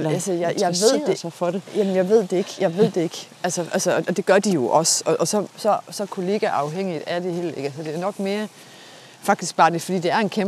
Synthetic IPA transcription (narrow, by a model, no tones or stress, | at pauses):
ælsəjɑɪjɑɪʋe̝ð̰̥ˠesfɒɾejæmənjɑ̈ɪʋe̝ð̞̰ˠd̥e̝e̝ɡ̥jɑ̈ɪʋe̝ð̰ˠd̥e̝e̝ɡ̥ʔælsəʔælsəɒɒ̽d̥e̝ɡ̥ɶɐd̥ijo̝ʔɒ̽sɒ̽ʔɒsɒ̽sɒ̽sɒ̽kʰo̝le̝ːɡ̥æʔɑ̈ʊɦeŋ̰id̥æd̥e̝he̝̰leɡ̥ælsəd̥e̝æɐnɒ̽ɡ̥me̝ːɐ | fɑ̈ɡ̥d̥isɡ̥̚b̥ɑ̈ːd̥e̝fɒdḭːd̥e̝æɐe̝nkʰem